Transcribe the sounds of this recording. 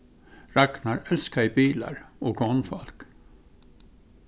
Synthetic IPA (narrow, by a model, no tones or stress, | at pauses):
ɹɑknɑɾɛlskæɪbiːlɑ̰ɾoːɡɔnfɔlk